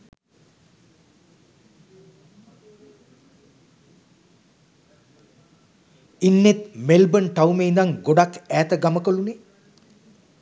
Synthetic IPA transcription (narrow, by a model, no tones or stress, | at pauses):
inːet̪melbənʈawmeːnd̪aŋɡoɖakæːt̪əɡaməkəlune